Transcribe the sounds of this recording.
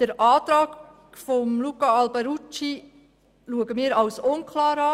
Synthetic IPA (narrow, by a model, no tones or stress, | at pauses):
d̥əɾɑːt̪ɾɑːk | fɔmlukɑɑlbaɾut͡ʃi | luəɡəmiːɾɑwsʊnkʰlɑːɾɑ